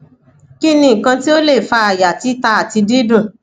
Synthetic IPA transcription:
ki˦nĩ˦˨kã˧ti˦o˦le˦˨fa˧a˨ja˨ti˨˦ta˧a˨ti˧di˦dũ˦˨

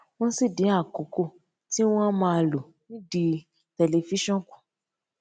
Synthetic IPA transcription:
w̃ɔ̃˦si˦˨dĩ˨˦a˦˨ko˨˦ko˦˨ | ti˦w̃ɔ̃˦mã˧a˧lo˨ | nĩ˦di˧ | tɛ˧le˧fi˦ʃɔ̃˦kũ̥˨

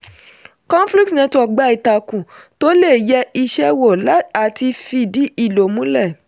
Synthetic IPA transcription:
kɔ̃˦n˦fli˦k̚tnɛ̃˧tɔ˨ɡ͡ba˨˦i˨ta˨kũ˨ | to˦le˦˨jɛ˧˦i˧ʃɛ˧wo˨la˦a˨ti˧fi˧˨di˨˦i˦˨lo˨mũ˨˦lɛ˦˨

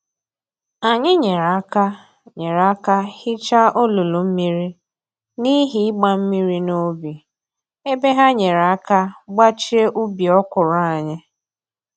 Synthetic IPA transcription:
a˨ɲɪ˦ɲe˨ɾa˨˦ka˦ | ɲe˨ɾa˨˦ka˦hɪ˦t͡ʃa˦o˦lu˨lu˨m̩˦mi˦ɾi˦ | ni˦ɦi˦ɪ˦ɡ͡ba˦m̩˦mi˦ɾi˦no˦bi˨ | e˦be˦ɦa˦ɲe˨ɾa˨a˦ka˦ɡ͡ba˦t͡ʃi˦e˦ʔu˦bi˨ɔ˦kʊ˨ɾa˨a˨ɲɪ˦

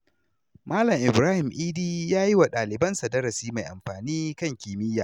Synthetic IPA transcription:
maː˦lɐ˨mʔɪ˨bɾaː˦hɪ˨mʔiː˦diː˦jaː˦ji˦wa˨ɗaː˨lɪ˨bɐ˦nsɐ˨dɐ˦ɾɐ˨siː˦ma˨jʔa̰˨mɸaː˨niː˦kɐ˦ŋkʲiː˨mɪ˦jːaː˨

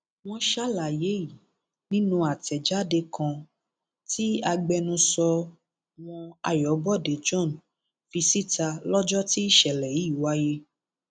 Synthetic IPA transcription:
w̃ɔ̃˧ʃa˦la˨je˨˦ji˨ | nĩ˦nũ˦a˨tɛ˨d͡ʒa˨˦de˧kʰã˧ | ti˦a˧ɡ͡bɛ˧nũ˧sɔ˧ | w̃ɔ̃˧a̰˨jɔ˨˦bɔ˦˨de˨d͡ʒɔ̃˦˨n | fi˧si˦ta˧lɔ˦d͡ʒɔ˦ti˦ʃɛ˨lɛ˨ji˨˦i˦˨wa˦je˦

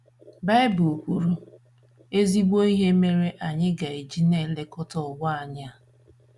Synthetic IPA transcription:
ba˦ɪ˦bu˨o˨kʷu˨ɾu˦ | e˦zi˦ɡ͡bʷo˦i˦ɦe˦me˦ɾe˦ʔa˨ɲɪ˦ɡa˨i˨d͡ʒi˦ne˦˨le˦kɔ˦tɔ˨wa˦a˨ɲa˦

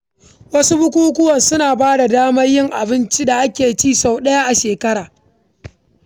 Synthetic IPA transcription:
wɐ˦su˦bʊ˦kʷuː˦k̬ʷʊ˦wɐ˨nsʊ˦naː˨baː˦da˨daː˦mɐ˦rjɪ˦ŋʔa˨bɪ˦nt͡ʃi˦da˨ʔa˦kʲeː˨t͡ʃiː˦˨sa˨wɗɐ˦ja˦ʔa˨ʃeː˨kɐ˦ɽaː˨

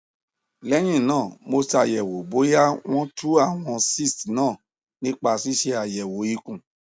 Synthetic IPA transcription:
lɛ˨˦j̃ĩ˦˨nãː˦˨mo˧sti˧a˨jɛ˨wo˨bo˨˦ja˦w̃ɔ̃˦tu˦a˦˨w̃ɔ̃˧si˦˨stnãː˦˨ | nĩ˦k͡pa˧˨si˦ʃe˧a˨jɛ˨wo˨˦i˧˦kũ˨

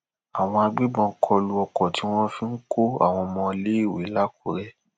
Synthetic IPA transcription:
a˨w̃ɔ̃˧a˧ɡ͡be˦ɡ͡bɔ̃˧˦kʰɔ˧lu˧ɔ˧kɔ˨ti˨˦w̃ɔ̃˦fĩ˦ŋ̩˦ko˦a̰˨w̃ɔ̃˧mɔ̃˧le˨˦i˦˨we˨˦la˦ko˨˦ɾɛ˦

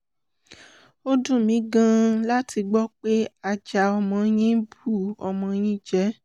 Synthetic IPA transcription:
o˦dũ˦˨mĩ˨˦ɡã˦la˦ti˧ɡ͡bɔ˦k͡pe˦a˧d͡ʒa˨ɔ˧mɔ̃˧j̃ĩ˦bu˦˨ɔ˨mɔ̃˧j̃ĩ˦d͡ʒɛ˨˦

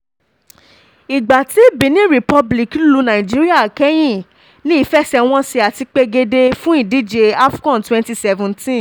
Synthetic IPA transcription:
i˨ɡ͡ba˨ti˦bĩ˨˧˦nĩ˦ɾi˨pɔ˦˧bli˨klu˨˧nã˨ĩ˨d͡ʒi˦ɾi˦a˦˨kɛ˦j̃ĩ˦˨ | li˦i˨˦fɛ˦sɛ˧w̃ɔ̃˦si˧a˨ti˧k͡pe˧ɡe˧de˧fũ˦i˦˨di˦d͡ʒe˧a˦fkɔ̃˦˨twɛ̃˦nti˦sɛ˧vũ˧ntĩ˦

